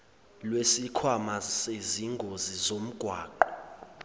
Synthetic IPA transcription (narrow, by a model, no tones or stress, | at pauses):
lwesikʰwamaseziŋɡʱozizom̩ɡ̥ʱwaːǃɔ